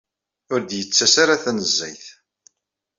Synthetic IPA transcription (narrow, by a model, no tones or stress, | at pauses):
ʊɾd̪jət͡sːæsaɾaθænəzːæjθ